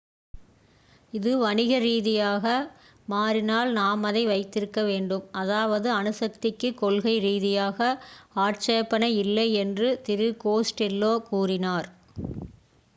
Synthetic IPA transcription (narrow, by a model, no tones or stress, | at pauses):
ɪðɯʋɐɳɪɣɐɾiːðɪjaːɣɐ | maːrɪnaːlnaːmɐðɐɪʋɐɪt̪ːɪɾɯkːɐʋeːɳɖɯmɐðaːʋɐðɯɐnɯsɐk̚t̪ɪkːɯkːɔɭɣɐɪɾiːðɪjaːɣɐaːʈ̚t͡ʃɐjɐpːɐnɐɪɪlːɐɪɛndrɯt̪ɪɾɯkoːsʈɪlːoːkuːrɪnaːɾ